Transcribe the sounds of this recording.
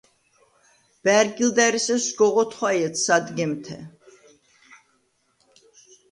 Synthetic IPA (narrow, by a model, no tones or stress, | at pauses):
b̥æɾɡild̪ɛɾisɛsɡɔʁɔt̪ʰχwajɛt̪ʰsad̪ɡɛmt̪ʰɛ̰